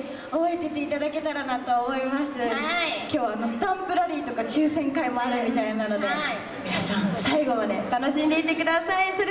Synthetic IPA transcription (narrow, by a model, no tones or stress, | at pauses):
oβoet̪e̞t̪e̞it̪ad̪ake̞t̪aɾanat̪o̞ːmo̞imasɨkʲo̞ːβaːno̞sɨ̥t̪ãmpɯ̟ɾaɾʲiːt̪o̞kat͡ɕɨːsẽ̞ŋkaimo̞aɾɯmʲit̪ainano̞d̪e̞ | mʲinasãɴ̃saiɡo̞βane̞t̪ano̞ɕiɲd̪eit̪e̞kɯ̟d̪asaisɨɾ